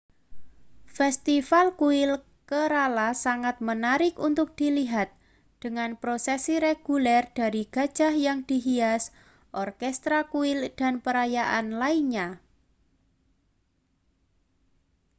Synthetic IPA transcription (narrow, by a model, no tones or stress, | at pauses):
fɛst̪ifalkuɪl | kəɾalasaŋat̪̚mənaɾɪkunt̪ʊk̚d̪̥i̤liɦat̪̚ | d̪̥əŋanpɾosesiɾeɡ̥ulɛrd̥a̤ɾiɡ̥a̤d̥d͡ʒ̥a̤hjaŋd̪̥iɦias | ʔɔrkɛst̪ɾakuɪld̥a̤npəɾajaʔanlaiɲa